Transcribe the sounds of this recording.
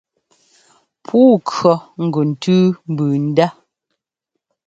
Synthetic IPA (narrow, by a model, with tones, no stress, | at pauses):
pʰuː˦kɰɔ˨ŋ̩˨ɡo˨n̩˨tʉ˦m̩˨bʉː˨n̩˦da˦